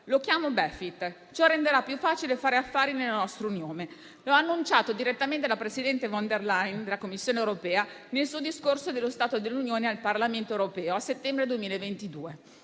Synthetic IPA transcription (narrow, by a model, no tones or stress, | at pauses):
lokjaːmobɛfit̪ː | t͡ʃɔrːend̪eɾapːjufːaːt͡ʃilefaːɾeafːaːɾinelːanɔst̪ɾounjoːne | laaːnːunt͡ʃaːt̪od̪iɾet̪ːament̪elapɾesid̪ɛnt̪evɔnd̪erlajnd̪elakomːisːjoːnewɾopɛːa | nelsuːod̪iskorsod̪elːost̪aːt̪od̪elːunjoːnealparlament̪oewɾopɛːoasːet̪ːɛmbɾed̪uemiːlaevent̪id̪uːe